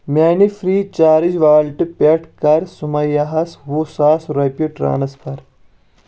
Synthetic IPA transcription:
mʲaːnifɾiːt͡ʃaːɾid͡ʒʋaːlʈɨpʲeʈkɐɾsumɐjɐɦɐswusaːsɾɐpʲiʈɾa̰ːnɐspʰɐɾ

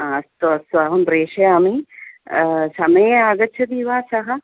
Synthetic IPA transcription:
ɐst̪oɐsaɦɐmpɾeːʃɐjɐmi | sɐmɐjaːɡɐtːt͡ʃʰɐd̪iːʋaːsɐɦɐ̆

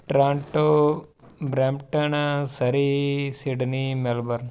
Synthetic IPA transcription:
ʈɾãːɳʈo | bɾeːmʈənsɐɾisiɖnimelbəɾn

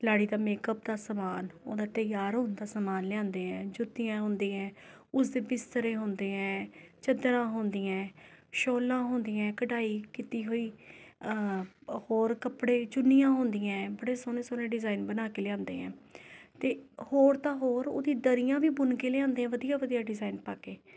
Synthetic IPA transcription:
laːɽiːd̪aːmeːkəp̚d̪aːsəmaːno̰ːd̪aːt̪əjaːɾɦoːnd̪aːsəmaːnlãːnd̪eːɛ̃ːd͡ʒʊt̪ːɪjãːɦʊ̃ːnd̪iːɛ̃ː | ʊsd̪eːbɪst̪əɾẽːɦʊ̃ːnd̪eːɛ̃ːt͡ʃəd̪ɾãːɦõːnd̪iːɛ̃ːʃoːlãːɦõːnd̪iːɛ̃ːkəʈaːiːkit̪iːɦoːiː | hoːɾkəpɽeːt͡ʃʊnːijãːɦʊ̃ːnd̪iːɛ̃ːbəɽeːsoːnẽːsoːnẽːɖɪzaːiːnbənaːkeːlãːnd̪ḛːɛ̰̃ːt̪eːhoːɾt̪ãːɦoːɾo̰ːd̪ĩːd̪əɾɪjãːʋiːbʊnkeːleãːnd̪eːɛ̃ːʋəd̪ijaːʋəd̪ijaːɖɪzaːiːnpaːkeː

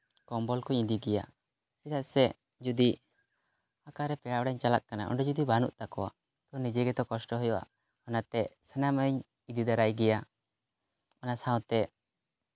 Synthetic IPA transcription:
kɔmbɔlkɔɲid̪iɡɛja̰ | kit̪aʔsɛ | d͡ʒud̪i | akaɾɛpɛɽaɽaɲt͡ʃalaʔ̚kanaʔɔ̰ɳɖɔd͡ʒud̪ibanṵʔt̪akɔwa̰ | t̪ɔnid͡ʒɛɡɛt̪ɔkɔsʈɔɦɔjɔʔa̰ʔ | ɔnat̪ɛsɛnaməɲ | id̪id̪aɾajɡɛja | ɔnasaw̃t̪ɛ

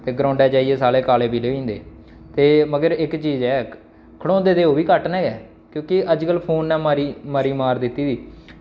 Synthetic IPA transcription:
t̪eːɡɾãːɳɖɛːd͡ʒaːiːeːsaːleːkaːleːpiːleːĩːnd̪ḛː | t̪eːməɡəɾɪkt͡ʃiːd͡ʒɛː | kʰəɽõːd̪eːd̪eːoːbiːkəʈnɛːɡɛː | kjõːkɪʔəd͡ʒkəlpʰoːnːɛːmaːɾiːmaːɾiːmaːɾd̪ɪt̪ːiːd̪iː

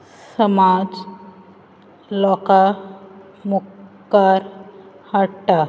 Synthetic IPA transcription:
səmad͡z | lɔka | mukkːaɾ | haʈa

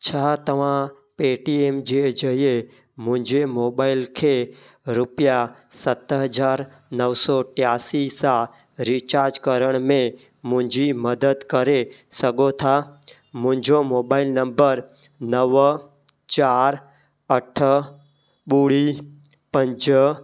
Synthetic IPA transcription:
t͡ʃʰaːt̪əʋ̤ã | peːʈieːmd͡ʒed͡ʒəɦie | mʊ̃ɦɪ̃ɲd͡ʒemoːbaːɪlkʰe | ɾʊpjasət̪əɦəd͡ʒaːɾ | nəʋsɔʈjaːsisa | ɾit͡ʃaːɾd͡ʒkəɾəɽ̃mẽ | mʊ̃ɦɪ̃ɲd͡ʒiməd̪əd̪kəɾesəɡot̪ʰa | mʊ̃ɦɪ̃ɲd͡ʒomoːbaːɪlnə̃mbəɾ | nəʋ | t͡ʃaːɾ | əʈʰə | ɓuːɽi | pə̃ɲd͡ʒ

